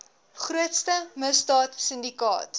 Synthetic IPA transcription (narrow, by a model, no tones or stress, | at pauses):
χruətstəməsdɑːtsəndikɑ̰ːt